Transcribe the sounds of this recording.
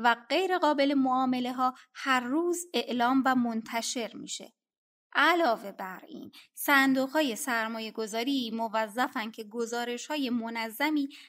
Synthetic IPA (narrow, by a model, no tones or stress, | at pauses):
væɢe̞jɾe̞ɣɒːbe̞le̞moɒːme̞le̞ɦɒːhæɾːuːze̞ʔlɒːmvæmont̪ʰæʃe̞ɾmḭːʃe̞̰ | ʔælɒːve̞bæɾḭːnsænd̪uːɣhɒːje̞sæɾmɒːje̞ɡo̞zɒːɾiːmovæzːæfæncʰe̞ɡozɒːɾe̞ʃhɒːje̞monæzːæmiː